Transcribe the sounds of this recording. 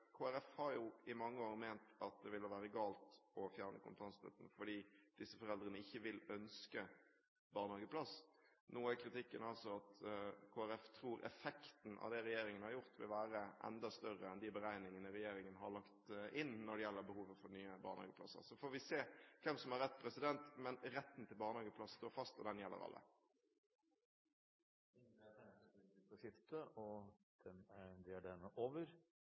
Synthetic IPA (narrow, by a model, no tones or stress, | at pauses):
kʰoːæɾɛfhɑɾjʊɪmɑŋːəoːɾmæɪnt̪ɑt̪̚d̪ɛʋɪlhɑʋæːɾəɡɑːlt̪ɔfjæːʁɾnʔə̰kʰʊmpət̪ʰɑnst̪ʰœ̰t̪ənfɔɖiːd̪̥ɪsːəfɔɾɛld̪ɾənəɪçːəʋɪlœnskə | bɑːʁnhɑːɡəpʰlɑs | noːæɾkʰɾɪt̪ɪkːənɑlsɔɑt̪kʰoːæɾɛft̪ʰɾuːɾʔɛ̰fɛkt̪n̩ʔɑ̰ʋd̪ɛɾɛjeːɾɪŋənəhɑɾjʊɾt̪ʋɪlʋæːɾəʔɛ̰nd̪ɑst̪œɾəɛnd̪ɪbəɾæɪnɪŋənəɾɛjeːɾɪŋənɦɑɾɭɑkt̪ʔɪnːɔɖɛjɛlːəɾbəhuːʋəfɔɾnyːəbɑ̰ːɾhɑ̰ːɡəpʰlɑ̰sːə̰ɾsɔfoːɾʋɪseːkʰʋɛmsɔmæɾɛt̪ːpʰɾɛsɪd̪ɛnt̪mɛnɾɛt̪ːn̩t̪ʰɪlbɑːɾnəhɑːɡəpʰlɑsst̪oːɾfɑst̪ɔ̰d̪ɛnjɛlːə̰ɾɑ̰lːʔə̰ | ɪt̪ɔsɪft̪əɔd̪̥ɛnæɾd̪ɪæɖɛnəʔoːʋəɾ